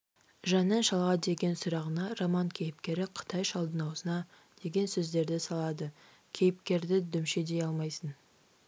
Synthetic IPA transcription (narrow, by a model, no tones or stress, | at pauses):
ʒɑnənʃɑlˠʁɑd̪e̞ɡʲe̞nsʊɾɑʁənɑromɑŋkʲʰe̞jɪpkʲe̞ɾɪqʰə̥t̪ʰɑjʃɑlˠd̪ənɑwsənɑ | d̪̥e̞ɡʲe̞nsɵzd̪e̞ɾd̪ɪsɑlˠɑd̪ə | kʲʰe̞jɪp̚kʲe̞ɾd̪ɪd̪ʏmʃe̞d̪e̞jɑlˠmɑjsən